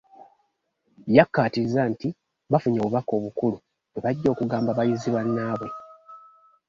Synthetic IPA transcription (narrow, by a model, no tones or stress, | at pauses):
jakːaːtizanti | βafuɲoβuβako̞ːβukulu | βeβaɟːo̞ːkuɡaːmbaβajiziβwanːaːβwe̞